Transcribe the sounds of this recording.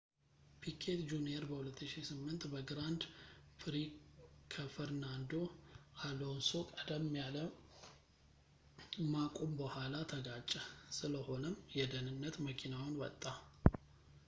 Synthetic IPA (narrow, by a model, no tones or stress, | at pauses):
pʰikʰet̪d͡ʒuneɾbəhulət̪ːɨʃisɨmːɨnt̪bəɡɾand̪fɾikʰəfəɾnand̪o̞ʔalonsokʼəd̪əmːjalə | makʼombəhʷalat̪ʰəɡat͡ʃʼːəsɨləho̞nəmjɛd̪ənɨnːət̪məkʰʼinawnwɔt̪ʼːa